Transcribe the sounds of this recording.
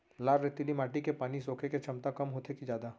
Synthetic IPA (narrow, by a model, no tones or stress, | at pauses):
laːɾɾɪt̪ːilimaːʈikepaːnisoːkʰeket͡ʃʰɐmt̪akɐmɦoːt̪ʰekid͡ʒaːd̪a